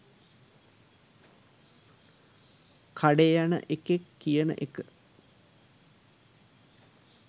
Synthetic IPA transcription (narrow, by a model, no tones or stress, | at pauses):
kʰaɖejanə̰ʔekekːijənə̰ʔekə